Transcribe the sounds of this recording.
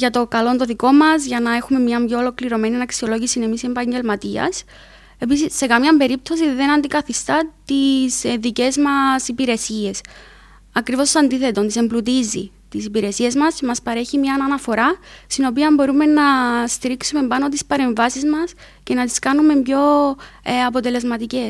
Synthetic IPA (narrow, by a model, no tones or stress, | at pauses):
ʝɐt̪o̞kɐlo̞nt̪o̞ðiko̞mɐzʝɐnɐe̞xume̞mɲɐmbʝo̞ːlo̞kliɾo̞me̞ninɐksio̞lo̞ʝisine̞misie̞mpɐɲɟe̞lmɐt̪iɐ̰s | e̞pisisːe̞kɐmɲɐmbe̞ɾip̚t̪o̞siðe̞nɐnd̪ikɐθist̪ɐt̪isðice̞zmɐsipiɾe̞sie̞s | ɐkɾivo̞sɐnd̪iθe̞t̪o̞nt̪ise̞mblut̪izḭ | t̪isipiɾe̞siezmɐsmɐspɐɾe̞çimɲɐnɐnɐfo̞ɾɐst̪ino̞piɐmbo̞ɾume̞nɐst̪iɾiksume̞mbɐno̞t̪ispɐɾe̞ɱvɐsizmɐs | ce̞nɐt̪i̥skɐnume̞mbʝo̞ | ɐpo̞t̪e̞le̞zmɐt̪ice̞